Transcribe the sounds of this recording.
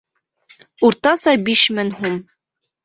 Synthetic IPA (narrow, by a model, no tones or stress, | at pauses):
uɾt̪ɑsɑbiʃmɘŋhum